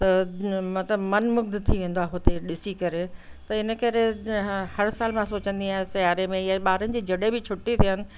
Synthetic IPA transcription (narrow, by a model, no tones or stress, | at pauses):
t̪ɐmɐt̪ləbmɐnmʊɡ̚d̪t̪ʰiʋẽːn̆d̪waːɦɦʊt̪eɗɪsikɐɾet̪ɐɪnə̆kɐɾehɐɾsaːlmãsoːt͡ɕə̃nd̪iaːɦɪ̃sɐjaːɾemẽjaɓaːɾənɪ̆d͡ʑiːd͡ʑɐɗebɪt͡ɕʰʊʈit̪ʰiənɪ̆